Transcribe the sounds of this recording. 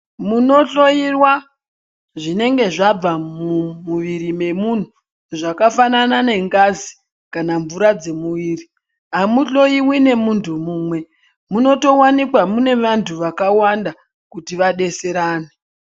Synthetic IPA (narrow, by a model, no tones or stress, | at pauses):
muno̞ɬo̞jirwa | ʐine̞ŋɡe̞ʐab͡vamumuʋiɾime̞mun̤u | ʐakafananane̞ŋɡazi | kanaɱvuɾad͡ze̞muʋiːri | ɦamuɬo̞jiwine̞muntʰumuːmwe̞ | muno̞to̞wanikwamune̞ʋantʰuʋakawanda | kutiʋaɗe̞se̞ɾaːne